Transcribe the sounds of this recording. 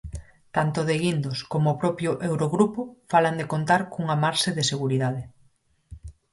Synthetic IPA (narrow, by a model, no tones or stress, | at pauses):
t̪ant̪ʊðeɣind̪oskomoːpɾɔpjʊʔewɾoɣɾupʊfaland̪ekont̪aɾkuŋamaɾseðeseɣuɾiðað̞e